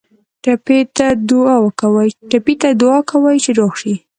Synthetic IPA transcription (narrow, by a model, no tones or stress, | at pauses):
ʈapet̪ad̪ʊɑwəkawajʈapit̪ad̪ʊɑkawajt͡ʃeɾoxʃi